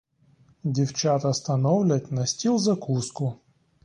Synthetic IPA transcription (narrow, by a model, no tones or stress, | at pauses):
dʲɪft͡ɕat̪ɐst̪ɐnovlʲətʲnɐsʲtʲilˠzɐkuskʊ